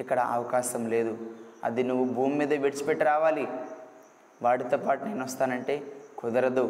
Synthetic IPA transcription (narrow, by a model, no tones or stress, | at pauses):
ikːɐɽɐ̰ʔɐ̰ʋɐkaːʃɐmle̞ːd̪uɐ̰d̪inuʋːubʱuːmːiːd̪ɐbeɽit͡ʃupeʈːiɾaːʋaːli | ʋaːɽit̪opaːʈune̞ːnɔst̪aːnɐɳʈe̞ːkɔd̪ɐɾɐd̪u